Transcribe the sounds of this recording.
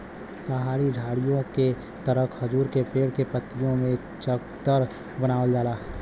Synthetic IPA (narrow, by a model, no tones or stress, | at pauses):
pɐɦaːɽiɖʱaːɽijõke | t̪əɾəkʰhɐd͡ʒuːɾkepeːɽkepət̪ːijõmẽ | t͡ʃəkt̪əɾ | bənaːʋəld͡ʒaːlaː